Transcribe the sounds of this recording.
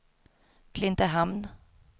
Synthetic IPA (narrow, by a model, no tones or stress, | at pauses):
kʰlɪnt̪əɦamn